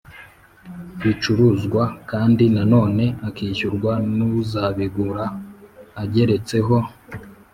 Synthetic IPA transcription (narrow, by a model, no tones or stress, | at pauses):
βit͡ʃuɾuzɡwakaːndinano̞ːne̞akiːçuɾɡwanuzaβiɡuɾaː | ɟe̞ɾe̞t͡se̞ɦo̞